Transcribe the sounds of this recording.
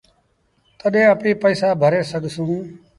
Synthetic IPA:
t̪əɗẽːəpĩːpəiːsaːbʱəɾeːsəɠʱsũː

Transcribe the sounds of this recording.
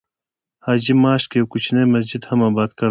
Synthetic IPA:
haːd͡ʒimaːʃkewkut͡ʃʰinemɐs̬d͡ʑid̪hɐmɐbaːd̪̚kɐ

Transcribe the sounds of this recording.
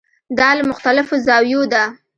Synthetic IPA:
d̪ɑləmʊxt̪alɪfozɑwjod̪a

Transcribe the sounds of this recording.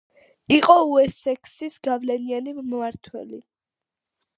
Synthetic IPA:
iqʼɔuɛsɛkʰsisɡavlɛnianimmaɾt̪ʰwɛ̰lḭ

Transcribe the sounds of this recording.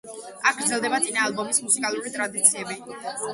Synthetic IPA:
akɡɾd̪zɛlˠd̪ɛbat̪sʼinaːlˠbɔmismusikʼalˠuɾit̪ʼɾad̪it̪sʰiɛbi

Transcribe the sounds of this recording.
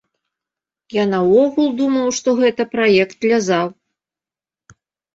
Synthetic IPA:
janɐwɔɣulʲˠd̪umɐwʂt̪ɔɣɛt̪ɐpɾajɛkt̪lʲazaw

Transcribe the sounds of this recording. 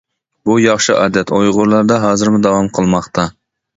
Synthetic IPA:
bujɑχʃɨʔɑːd̪ɛt̪ʰojʁʊɾlˠɑɾd̪ɑɦɑːzɨɾmʊd̪ɑwɑmqʰəlˠmɑχt̪ʰɑ

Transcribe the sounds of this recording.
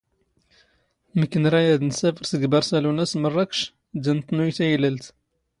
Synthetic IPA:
məkːənɾˤɑjæd̪nsæfəɾsəɡbɑɾˤsælunæsmərˤːɑkʃ | d̪ænt̪nujt̪æjlælt̪

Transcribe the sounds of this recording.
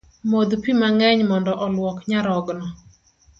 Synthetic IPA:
mod̪pimaŋɛɲmɔndɔʔɔlwɔkɲaɾɔɡnɔ

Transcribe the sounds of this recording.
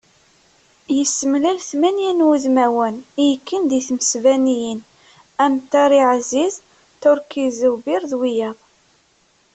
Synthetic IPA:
jəsːəmlælθmænjænwuðmæwənijəkːənd̪iθməsvænijən | æmt̪ːaɾˤiʕziz | toɾkizəwbiɾðwijɑðˤ

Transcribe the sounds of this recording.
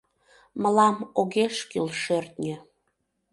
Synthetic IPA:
məlɑmoɣeʃkilʃørt̪nʲə̆

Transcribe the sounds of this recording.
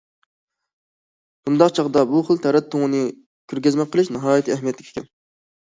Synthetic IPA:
b̥und̪ɑqt͡ʃʰɑʁd̪ɑbuχəlˠt̪ʰɛɾɛt̪ʰːoŋɨnɨ | kʲʰøɾɡʲɛzmɛqʰəlˠɪʃnɨɦɑːjit̪ʰɨæɦmijɛt̪ʰːɪkʲe̥kʲʰɛn

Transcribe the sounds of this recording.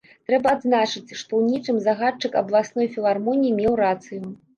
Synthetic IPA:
t̪ɾɛbɐd̪znat͡ʂɨt͡sʲʂt̪ɔwnʲit͡ʂɨmzaɣat͡ʂɨkɐ̰blˠasnɔjfʲilˠarmɔnʲijimʲɛwɾat̪sɨju

